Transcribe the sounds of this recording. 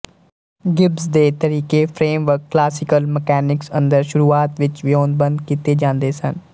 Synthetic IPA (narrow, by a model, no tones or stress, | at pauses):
ɡɪbsd̪eːt̪əɾiːkeːpʰɾeːmʋəɾkːlaːsɪkəlmɛkɛːnɪksə̃nd̪əɾʃʊɾuːaːt̪ʋɪt͡ʃʋɪoːnd̪̚bə̃nd̪kiːt̪eːd͡ʒãːnd̪eːsən